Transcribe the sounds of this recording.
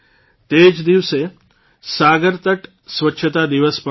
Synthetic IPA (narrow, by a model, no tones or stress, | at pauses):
t̪eːd͡ʒd̪iʋse | saːɡəɾt̪əʈ | sʋətːʃʰət̪ad̪iʋəspə